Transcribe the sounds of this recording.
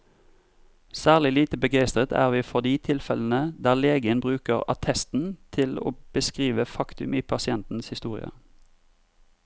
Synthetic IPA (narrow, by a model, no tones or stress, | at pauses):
sæːʁlɪliːt̪əbəɡæɪst̪ʁət̪ʰæ̰ːʁʋiːfɔʁd̪iːt̪ʰɪlfɛln̩əd̪æːʁleːɡəənbʁʉːkəʁɑt̪ʰɛst̪n̩t̪ʰɪlo̰ːb̥əskʁiːʋəfɑkt̪ʉmiːpʰɑsɪɛnt̪n̩shɪst̪uːʁɪ̰ə̰